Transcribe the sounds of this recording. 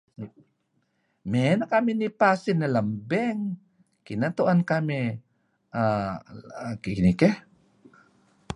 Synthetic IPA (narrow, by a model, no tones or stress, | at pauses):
menakamɪnipasɪnːalambɛŋ | kinat̪uʔankami | a | kinikɛ